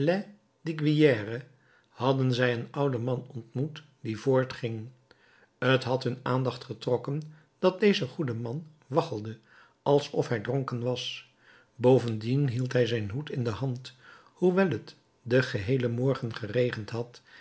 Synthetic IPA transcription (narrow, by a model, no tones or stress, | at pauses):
lɛ | diɡʋijɛːrə | hɑdənzɛjənʌwdəmɑnɔntmut | divʊːɹtχɪŋ | ətɦɑtɦɵnaːndɑχtχətrɔkən | d̥ɑt̚dejzəχudəmɑn | ʋɑχəlˠdə | ʔɑlˠsɔfɦɛjdrɔŋkənʋɑs | bowvəndinɦilˠtɦɛjzɛjnɦutɪndəɦɑnt | huʋɛlˠət | dəχəɦejləmɔɹχənχərejχəntɦɑt